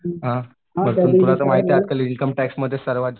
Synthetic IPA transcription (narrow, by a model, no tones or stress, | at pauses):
ɦã | məɾunpulat͡s̪əmaɦit̪jad̪̚kaliinkəmʈæksməd̪ʱːjesəɾʋad̪